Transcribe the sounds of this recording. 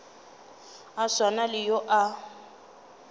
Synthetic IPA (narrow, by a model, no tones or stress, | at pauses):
aswanalɪjoʔa